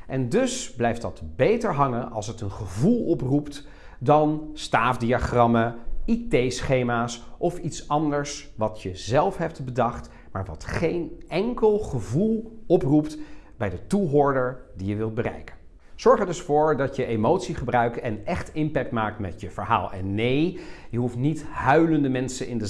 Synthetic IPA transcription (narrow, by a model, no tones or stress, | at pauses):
ʔɛndɵsblɛjfdɑtbejtəɹɦɑŋənʔɑ̰lˠs̬ətənχəvulˠɔprupt | dɑnstaːfdiaχrɑməitejsχejmaːsʔɔfitsɑndəɹsʋɑtjəzɛlˠfɦɛp̚tbədɑχt | maːɹʋɑtχejnɛŋkəlˠχəvulˠɔpruptbɛjdətuɦʊːɹdəɹdijəʋɪlˠt̚bərɛ̰jkə̥n | z̥ɔɹχəɹdɵsfʊːɹdɑtjəʔemowtsiχəbrœɥktɛnɛχtɪmpɛk̚tmaːk̚tmɛtjəvəɹɦa̰ːlˠɛ̰nːejjəɦuftnitɦœɥləndəmɛnsənɪndə